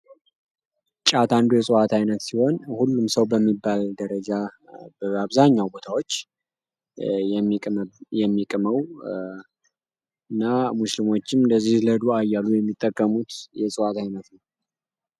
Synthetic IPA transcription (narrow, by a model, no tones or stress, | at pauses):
t͡ʃʼat̪ʰand̪ujɛsʼɨwat̪ʰajnət̪siho̞nhulːumsəwbəmːibːald̪əɾəd͡ʒabəaβzaɲːawbo̞t̪ʰawo̞t͡ʃː | jɛmːikʼməw | ɨnːamuslimo̞t͡ʃːɪmd̪əzːihləd̪uajːalujɛmːit̪ʼːəkʼːəmut̪jɛsʼɨwat̪ajnət̪nəw